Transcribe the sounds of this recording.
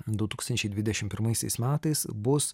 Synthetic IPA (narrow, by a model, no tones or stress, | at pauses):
d̪ʊt̪uːkst̪ɐnʲt͡ʃʲɛɪd̪ʲʋʲɪd̪ʲɛʃʲɪmpʲɪɾmɐɪsʲɛɪsmʲæːt̪ɐɪsbʊs